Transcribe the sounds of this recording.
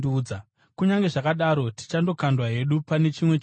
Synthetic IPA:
uːa | kuɲaŋɡe̞ʐakaɗaɾo̞ti̥t͡ʃando̞kandwaɦe̞ɗupane̞t͡ʃimwe̞

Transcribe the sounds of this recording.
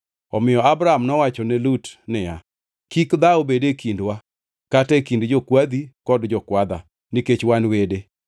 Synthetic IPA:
ɔmɪjɔabɾaamnɔwat͡ʃɔnɛlutnɪja | kikd̪aobedekindwa | katɛkindd͡ʒokwad̪ikɔdd͡ʒɔkwad̪a̰ | niket͡ʃwanwede

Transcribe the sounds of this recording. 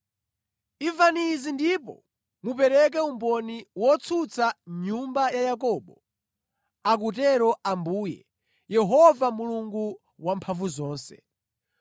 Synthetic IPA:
ivanizindipɔ̰ | mupɛɾɛk̬ɛumbɔniwɔt͡sʰut͡sʰaɲumbajajakɔːɓɔ | ak̬utɛɾɔambuːjɛ | jɛɦɔvamuluŋɡu | wampʰaɱvuzɔːnsɛ̥̰

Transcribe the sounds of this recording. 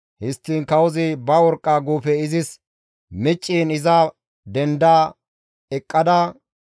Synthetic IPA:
hɪst̪ːiːnkɐwɔzɪbɐwɔɾkʼːaːɡuːfɛɪzɪs | mɛt͡ʃʼːiːnɪzɐ | d̪ɛnd̪aː | ɛkʼːɐd̪ɐ

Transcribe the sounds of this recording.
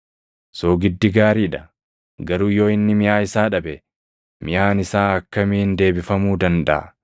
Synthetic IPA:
soːɡɪd̪ːɪɡaːɾiːᶑɐ̥ | ɡɐɾuːjo̞ːɪnːɪmɪjaːɪsaːᶑɐbɛ | mɪjaːnɪsaːɐkːɐmɪɪnd̪e̞ːbɪfɐmuːd̪ɐnd̪ɐ̰ʔɐ̰

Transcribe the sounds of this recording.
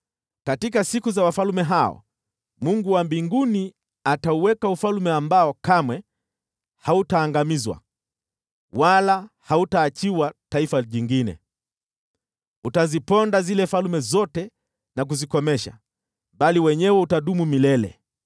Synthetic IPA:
katikasikuzawafalumɛɦaɔ̰ | muŋɡuwambiŋɡuni | atauwɛkaufalmɛambaɔkamwɛ | hautaːŋɡamizwa̰ | walahautaːt͡ʃiwataifaʄiŋɡinɛ̰ | utazipɔndazilɛfalumɛzɔtɛ | nak̬uzikɔmɛʃa̰ | ɓaliwɛɲɛwɛutaɗumumilɛlɛ̰

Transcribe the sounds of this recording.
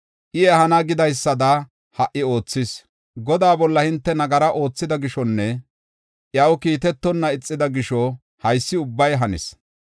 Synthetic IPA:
ʔɪjɛhɐnɐɡɪd̪ɐjsːɐd̪ɐ | hɐʔːɪo̞ːt͡sːɪs | ɡɔd̪aːbɔlːɐhɪnt̪ːɛnɐɡɐɾɐʔo̞ːt͡sːɪd̪ɐɡɪʃɔnːɛ | ʔjɐwkiːt̪ɛt̪ːɔnːɐɪt͡sʼːɪd̪ɐɡɪʃɔ | hɐjsːɪʊbːɐjɦɐnɪ̰s

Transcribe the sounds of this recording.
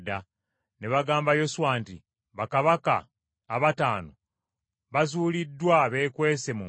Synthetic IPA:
da | ne̞βaɡaːmbajo̞suwaːntḭ | βakaβaka̰ː | βataːno | βazuːlidːwaβe̞ːkwe̞ːse̞mu

